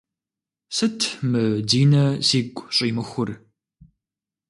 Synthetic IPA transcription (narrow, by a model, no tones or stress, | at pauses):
sɨtʰmɨdiːnɐziːkʷʼɕʼiːmɨxʷʊr